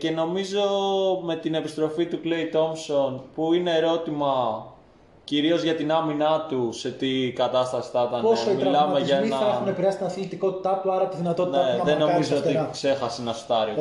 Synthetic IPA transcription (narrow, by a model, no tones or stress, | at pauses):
ce̞no̞mizo̞me̞t̪ine̞pist̪ɾo̞fit̪ukle̞it̪o̞mso̞npuine̞ːɾo̞t̪imɐ | ciɾio̞zʝɐt̪inɐminɐt̪use̞t̪ikɐt̪ɐst̪ɐsi̥θɐt̪ɐnposoimiɐlɐmmeʝɐenɐɐeunepiɾɐsi̥t̪inɐθilit̪iko̞t̪i̥t̪ɐt̪uɐɾɐpot̪iðinɐt̪o̞t̪nɐeɐðeno̞mizoot̪ikse̞xɐsenɐst̪ɐɾio